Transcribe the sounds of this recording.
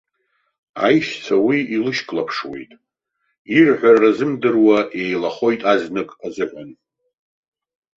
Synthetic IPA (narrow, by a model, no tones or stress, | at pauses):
a̰jʃt͡sʰawiilɨʃkʼlapʰʂwe̞̰jtʼ | irħʷᶣarːazɨmdɨrwaʔe̞jlaχo̞jtʼaznɨkʼazɨʕʷan